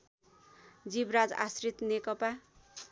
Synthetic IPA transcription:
d͡zibɾad͡za̰srit̪nekʌpa

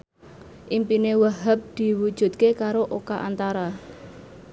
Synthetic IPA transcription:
ʔimpinewaɦəp̚d̪̥i̤wud̥ʒ̥ṳt̪̚kekaɾoʔokaʔant̪aɾa

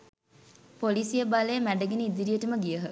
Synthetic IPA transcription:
polisijəbalejmæɖəɡenəid̪iɾijəʈəməɡijəɦə

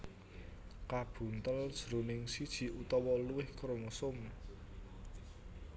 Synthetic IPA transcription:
kab̥ṳnt̪əld̥ʒ̥ɾunɪŋsid̥ʒ̥i̤ʔut̪ɔwɔluwɪhkɾoŋusʊm

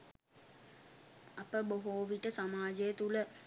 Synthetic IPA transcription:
ɐpəboɦoːʋiʈəsamaːd͡ʒəjət̪ulə

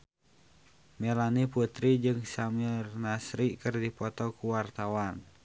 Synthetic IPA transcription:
mɛlaniput̪ɾid͡ʒɨŋsamirnasɾikərdipɔt̪ɔkuwart̪awan

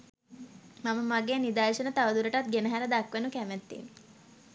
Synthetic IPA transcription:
maməmaɡeːnid̪aːʃənət̪aʋəd̪uɾəʈat̪̚ɡenəɦæɾəd̪akʋenukæmæt̪ːḭːn

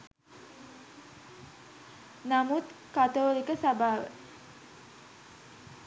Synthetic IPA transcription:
namut̪kat̪olikəsabaʋ

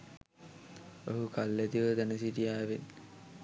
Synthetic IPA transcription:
oɦukalːet̪iʋət̪ænəsit̪ijaːʋen

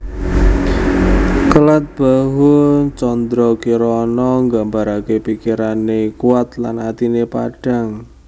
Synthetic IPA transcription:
kəlat̪̚b̥aɦʊt͡ʃɔnd̪ɾɔkiɾɔnɔŋɡambaɾakepikiɾanekuat̪lanat̪inepa̰ɖ̥a̤ŋ

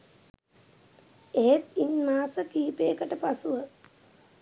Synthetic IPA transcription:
eɦet̪inmaːsəkiːpeːkəʈəpasuʋə

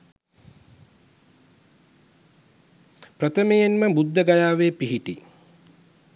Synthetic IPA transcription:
pɾət̪əmejenməbud̪ːəɡajaːʋeːpiɦiʈḭ

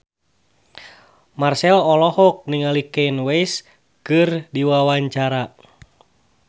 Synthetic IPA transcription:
marsɛlɔlɔhɔk̚niŋalikɛinwɛjs | kɨrdiwawaɲt͡ʃaɾa

